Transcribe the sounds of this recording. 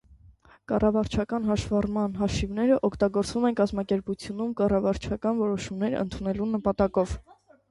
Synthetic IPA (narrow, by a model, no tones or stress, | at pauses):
kɑrɑvɑɾt͡ʃʰɑkɑnɦɑʃvɑrmɑnɦɑʃivnɛɾəʔɔkʰt̪ɑɡɔɾt͡svumɛnkɑzmɑkɛɾput͡sʰjunumkɑrɑvɑɾt͡ʃʰɑkɑnvɔɾɔʃumnɛɾə̰nt̪ʰunɛlunəpɑt̪ɑkɔv̥